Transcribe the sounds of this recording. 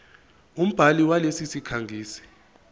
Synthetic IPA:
um̩b̥ʱaliwalesisikʰaŋɡʱiːsɛ̥

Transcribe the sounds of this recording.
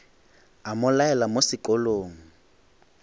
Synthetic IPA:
amʊlaɛlamosɪkʼɔloːŋ̩

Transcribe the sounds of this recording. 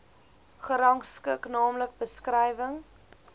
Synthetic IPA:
χəɾɐŋkskəknɑːmlək̚bəskrɛjvəŋ

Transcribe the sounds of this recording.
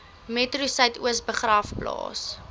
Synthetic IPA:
metrusɐjtuəsbəχrɐfplɑ̰ːs

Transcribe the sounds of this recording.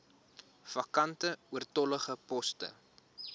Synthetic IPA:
fɐkɐntəuərtɔləχəpɔstə̰

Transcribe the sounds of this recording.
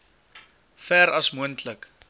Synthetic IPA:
fæːɾɐsmuəntʰlək

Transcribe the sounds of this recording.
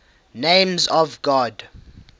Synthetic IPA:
nẽmzɔvɡɔd

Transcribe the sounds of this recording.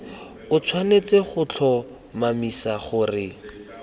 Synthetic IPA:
ʊt͡sʰwanet͡seχʊt͡ɬʰɔ | mamisaχʊrɪ

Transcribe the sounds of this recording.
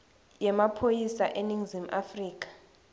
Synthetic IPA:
jɛmapʰojisaʔeniŋzimafriːk̬ʼḁ

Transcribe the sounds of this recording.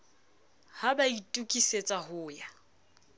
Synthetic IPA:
habaitʼukʼiset͡sʼahʊːja

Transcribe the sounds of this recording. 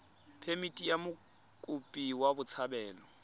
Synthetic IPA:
pʰemitʼijamʊ | kʼʊpʼiwabʊt͡sʰabɛːlɔ

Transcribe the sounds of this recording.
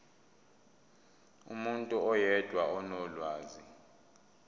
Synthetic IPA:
umuntʼuɔjɛd̥ʱwaɔnɔlwaːzi

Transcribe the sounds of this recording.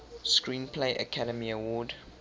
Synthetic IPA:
skɹĩːnpʰleɪʔə̰kʰaɾəmiəwɔd

